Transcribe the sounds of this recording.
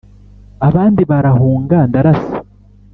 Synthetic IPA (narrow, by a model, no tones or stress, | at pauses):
aβaːndiβaɾahuːŋɡandaɾasi̥